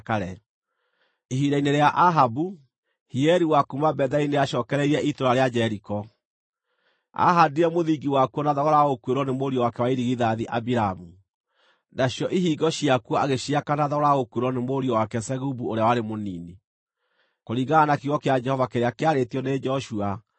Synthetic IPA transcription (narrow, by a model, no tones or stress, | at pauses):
kaɾɛ | iɦiɾaineɾeaʔaɦabu | hiɛɾiwakumabɛðaineaʃɔːkɛɾɛiɾɛʔitoɾaɾead͡ʒɛɾikɔ | a̰ɦadiɾɛmoðiɡiwakuɔnaðɔɣɔɾaokueɾɔnemoɾiɔwakɛwaiɾiɣiðaðiʔabiɾamu | naɕjɔʔiɦiːɡɔɕiakuɔaɣeɕiakanaðɔɣɔɾaokweɾwɔnemoɾiɔwakɛsɛɣubuoɾeawaɾemonini | koɾiːɣɡaanakiɣɔkead͡ʒɛhɔvakeɾeakeaɾetiɔned͡ʒɔʃua